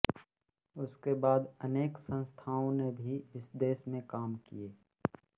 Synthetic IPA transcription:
ʊskebaːd̪əneːksə̃nst̪ʰaːõnebʱiɪsd̪eːsmẽkaːmkḭjeː

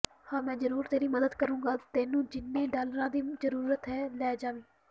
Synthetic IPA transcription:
hãːmɛ̃ːzəɾuːɾt̪eːɾiːməd̪əd̪kəɾũːɡaːt̪eːnũːd͡ʒɪnːẽːɖaːlɾãːd̪iːzəɾuːɾət̪ɦɛːlɛːd͡ʒaːʋiː

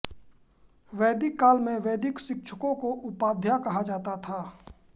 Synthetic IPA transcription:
ʋeːd̪ɪkːaːlmẽʋeːd̪ɪksɪk̚t͡ʃʰə̥kõkoʔʊpaːd̪ʱjakɐɦad͡ʒaːt̪at̪ʰaː

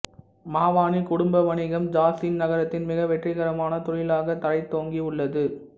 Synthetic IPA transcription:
maːʋaːnikʊɽʊmbɐʋɐnɪɣɐmd͡ʒaːsɪnnɐɣɐɾɐt̪ːɪnmɪɣɐʋɛʈrɪɣɐɾɐmaːnɐt̪ʊɻɪlaːɣɐt̪ɐɾɐɪt̪ːoːŋɡiʊɭːɐðɯ

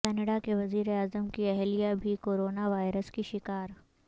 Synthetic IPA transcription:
kɛːnəɽakeʋɐziːɾeaːzəmkiɛɦlijabʱikoːɾoːnaʋaːɪɾəskiʃɪkaːɾ

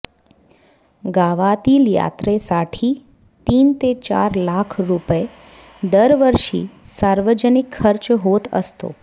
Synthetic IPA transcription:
ɡaʋat̪ilja̰t̪ɾesaʈʰi | t̪int̪et͡ʃa̰ɾlakʰɾupe | d̪əɾʋəɾʃḭsaɾʋəd͡ʒənikʰːəɾt͡ʃɦot̪ʰə̰st̪o̰

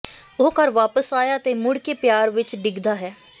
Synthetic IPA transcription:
okəɾʋaːpəsaːjaːt̪eːmʊɽkeːpjaːɾʋɪt͡ʃɖɪɡd̪aːɦɛː

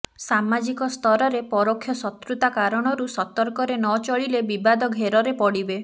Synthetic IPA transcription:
samad͡ʒikɔst̪ʰɔɾɔɾepɔɾokʰjɔsɔt̪ɾut̪akaɾɔɽ̃ɔɾusɔt̪ɔɾkɔɾenɔt͡ʃɔɭilebibad̪ɔɡʱeɾɔɾepɔɽibe

